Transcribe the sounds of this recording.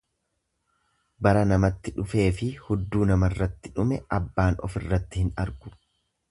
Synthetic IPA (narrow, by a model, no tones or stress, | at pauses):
bɐɾɐnɐmɐt̪ːɪᶑʊfe̞ːfɪhʊd̪ːuːnɐmɐrːɐt̪ːɪᶑʊmɛʔɐbːaːnɔ̰fɪrːɐt̪ːɪhɪnɐɾɡʊ̥